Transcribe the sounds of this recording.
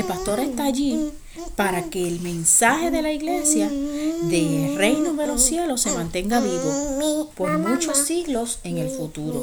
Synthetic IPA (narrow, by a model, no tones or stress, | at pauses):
elpast̪o̞ɾe̞st̪aːʝi | paɾake̞ːlmẽ̞nsahe̞ðe̞laiɣle̞sjaðe̞re̞jnoðe̞lo̞sje̞lo̞sːe̞mãnt̪e̞ŋɡaβiβo̞po̞ɾmũt͡ʃo̞sːiɣlo̞se̞ŋe̞lfut̪uɾo̞̰